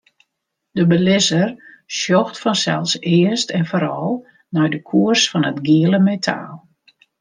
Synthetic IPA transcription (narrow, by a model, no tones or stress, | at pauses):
dəbəlɪzər | sjɔxtfɔnsɛ̰lˠsɪəstɛnfoɾɔlˠ | nɔjdəkʰuərsfɔnətɡiələmetʰa̰ːlˠ